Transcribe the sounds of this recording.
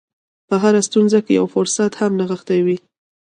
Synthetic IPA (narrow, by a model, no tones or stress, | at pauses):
pəɦaɾast̪unzakeja̰wfʊɾsat̪hamnaɣəxt̪awi